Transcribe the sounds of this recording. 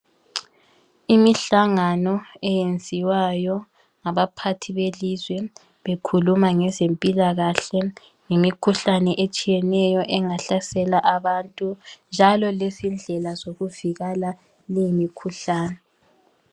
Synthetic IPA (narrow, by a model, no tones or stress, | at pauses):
imiɬaŋanɔɛjend͡zʱiwajɔ | ŋaβapʰatʰiβelizwɛ | βekʰulumaŋɛzempʼilaɣaɬɛ | ŋimikʰuɬanɛʔet͡ʃʼijɛnɛjɔʔɛŋaɬasɛlaʔaβantʼund͡ʒʱalɔlezind͡ɮʱɛlazoɣuviɣala | limikʰuɬaːnɛ